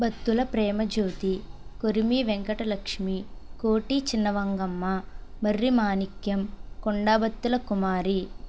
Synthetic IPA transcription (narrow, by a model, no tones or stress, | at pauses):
bɐt̪ːulɐpɾɛːmɐd͡ʒoːt̪ikoɾimiʋeŋkɐʈɐlɐkʂmikoːʈit͡ʃinːɐʋɐŋɡɐmːɐmɐrːimaːnikjɐmkɔɳɖaːbɐt̪ːulɐkumaːɾi